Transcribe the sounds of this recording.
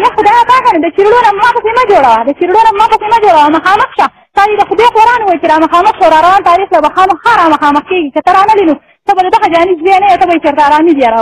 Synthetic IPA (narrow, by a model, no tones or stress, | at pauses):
jaxʊd̪ɑjat̪ɑkanod̪ət͡ʃiɾɽonammɑpəsemad͡ʒoɽawad̪ət͡ʃiɾɽonammɑpəsemad͡ʒoɽawamɐxɑːməxʃa | t̪ɑd̪id̪axʊd̪eqoɾɑnuwajt͡ʃeɾɑmɐxɑːməxʃawɾɑɾawɑːnt̪ɑːɾixlabaxɑmɐxaɾɑmɐxɑːməxkeɡikat̪əɾɑnalino | t̪əbad̪əd̪aɣad͡ʒɑːnizwenajawt̪əbait͡ʃaɾt̪aːɾɑːmid̪ijaɾaw